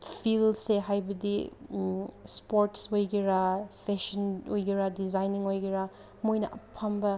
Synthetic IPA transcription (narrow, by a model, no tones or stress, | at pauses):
pʰilseɦajbɐdi | spoɾtsojɡiɾapʰeʃɐnojɡiɾadizajniŋojɡiɾa | mojnɐ̰ʔɐpʰambɐ